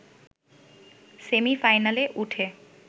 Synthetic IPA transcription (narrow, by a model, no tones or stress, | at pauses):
semifajnaleʔuʈʰe